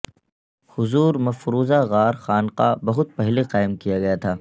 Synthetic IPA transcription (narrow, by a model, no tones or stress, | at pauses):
hʊzuːɾmɐfɾuːzaɣaːɾxaːnqabɐɦʊt̪̚pɛɦleqaːɪmkijaɡɐjat̪ʰaː